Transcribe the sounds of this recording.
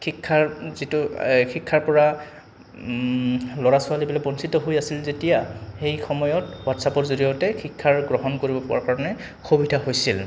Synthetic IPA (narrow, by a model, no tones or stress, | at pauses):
kikʰːaɹzituxʰikʰːaɹpɔɹa | lɔɹasʊalibilɛbɔnsitɔɦojasilzetijaxejxɔmɔjɔtwatsapɔɹzoɹijɔtɛxʰikʰːaɹɡɹɔɦɔnkoɹibɔpʊa̰ɹkaɹɔnɛ | xʰobidʱaɦojsil